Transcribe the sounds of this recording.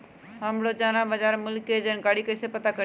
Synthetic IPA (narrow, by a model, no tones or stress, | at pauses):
ɦəmɽod͡ʒanabəd͡ʒaɾmulkːed͡ʒənkaɽikəɪsepət̪akə